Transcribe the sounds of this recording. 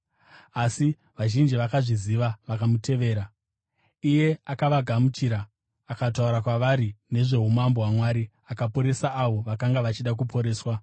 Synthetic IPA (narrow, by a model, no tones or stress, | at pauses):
asi | ʋaʒind͡ʒiʋakaʐiziʋaʋakamute̞ʋe̞ːɾa | ije̞akaʋaɡʱamut͡ʃiɾaː | kat̬auɾakwaʋaɾine̞ʐe̞ɦumamboɦwamwaːɾi | akapo̞ɾe̞saʔːʋo̞ʋakaŋɡaʋat͡ʃiɗak̬upʰo̞ɾe̞ːswa